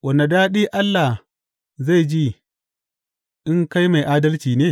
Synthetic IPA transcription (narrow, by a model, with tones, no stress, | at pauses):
wɐ˨nːa˨daː˦ɗiː˦ʔa˦lːa˨ | za˦˨d͡ʒi˦ | ʔɪ˦ŋka˦jma˨jʔaː˦dɐ˦lt͡ʃiː˨neː˦˨